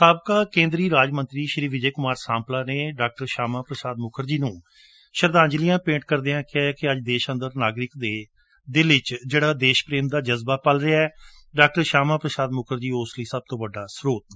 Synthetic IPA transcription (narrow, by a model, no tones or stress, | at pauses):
saːbkaːkẽːnd̪ɾiːɾaːd͡ʒmənt̪ɾiːʃəɾiːʋɪd͡ʒeːkʊmaːɾsãːmplaːneːɖaːk̚ʈəɾʃaːmãːpɾəsaːd̪̚mʊkʰəɾd͡ʒiːnũː | ʃəɾd̪ãːnd͡ʒlijãːpẽːɳʈ̚kəɾd̪eːãːkɪɛːkɪəd͡ʒd̪eːʃə̃nd̪əɾnaːɡɾɪkd̪eː | d̪ɪlɪt͡ʃd͡ʒeːɽaːd̪eːʃpɾeːmd̪aːd͡ʒəzbaːpəlɾɪaːɛː | ɖaːk̚ʈəɾʃaːmãːpɾəsaːd̪mʊkʰəɾd͡ʒiːʊsliːsəb̚t̪õːʋəɖːaːsɾoːt̪